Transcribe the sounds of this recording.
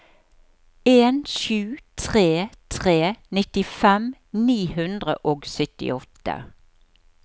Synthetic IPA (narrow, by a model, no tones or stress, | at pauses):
eːnʃʉːt̪ʰʁeːt̪ʰʁeːnɪt̪ɪfɛm | niːhʉnd̪ʁə̰ʔoːɡsœt̪ɪ̰ɔt̪ːə̰